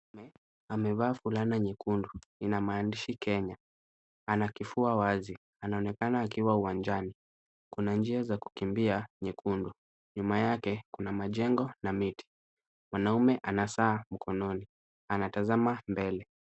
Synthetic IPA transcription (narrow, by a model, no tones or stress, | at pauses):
ɛ | amɛvaːfulanaɲikunduinamaːndiʃikɛɲa | anakifuawazi | anaɔnɛkanaːkiwauwand͡ʒani | kunand͡ʒiazaku̥kimbiaɲikʰundu | ɲumajakɛkunamaʄɛŋɡɔnamiti̥ | mwanaumɛʔanasaːm̩kʰɔnɔni | anatazamambɛlɛ